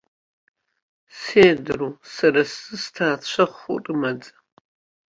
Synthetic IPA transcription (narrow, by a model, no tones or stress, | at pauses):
seːdrusɐɾɐsɨstʰaːt͡ɕʷʰɐχʷʊ̰rʼɨmɐd͡zʼɐ̥